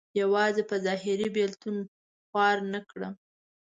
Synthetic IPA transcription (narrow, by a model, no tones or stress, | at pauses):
jawɑzepəzɑɦɪɾibelt̪un | xwɑɾnəkɽə